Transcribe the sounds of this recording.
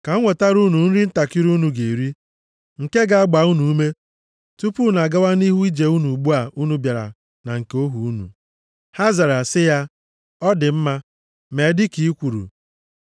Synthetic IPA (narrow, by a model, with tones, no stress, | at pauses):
ka˨˦ŋʷo˨ta˦ɾu˦nu˨n̩˦ɾi˦n̩˦ta˨ki˦ɾu˦nu˨ɡe˨ɾi˦ | ŋ̩˨ke˦ɡa˨a˦ɡ͡ba˨˦u˦nu˨u˦me˦ | tu˦pu˦na˨ɡa˦wa˦ni˦ɦu˦i˦d͡ʒe˨u˦nu˨ɡ͡bu˦a˨ʔu˦nu˦bja˨ɾa̰˨ | na˨ŋ̩˨ko˦ɦu˨u˦nṵ˨ | ha˦za˨ɾa˨sɪ˦ja˦ | ɔ˦dɪ˨m̩˦ma˦ | me˨dɪ˦ki˨i˦kʷu˨ɾṵ˨